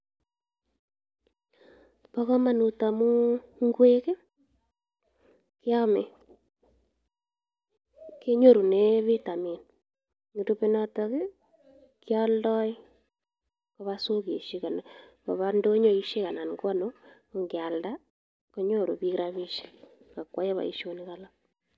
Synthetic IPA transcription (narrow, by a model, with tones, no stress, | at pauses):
pɔ˦kɔ˦ma˨nu˨ta˨mu˦ŋɡwe˦ke˦ | kja˦me˨ | ke˦ɲo˦˨ɾu˨ne˦βi˦ta˨mi˨n | ɲu˨tu˦pe˦nɔ˦tɔ˦ke˦ | kjɔ˦ldɔ˦i˦ | kɔβa˦so˦ke˨ʃi˦ka˨na˨ | kɔ˨βa˦ndo˦ɲo˦˨i˦ʃe˦ka˨na˨nɡwa˦no˦ko˨ŋɡɪ˨a˨lda˦ | ko˦ɲo˦˨ɾṵ˨bi˦kɾaβi˦ʃe̥˦ | ka˨kwa˦je˦βa̰˨ḭ˨ʃo˦nika˨la˦